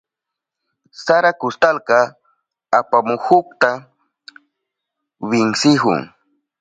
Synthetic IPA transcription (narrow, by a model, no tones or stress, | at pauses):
saɾakʊst̪alkɑ | apamʊhʊkt̪a | wɪŋsɪɦʊ̰ŋ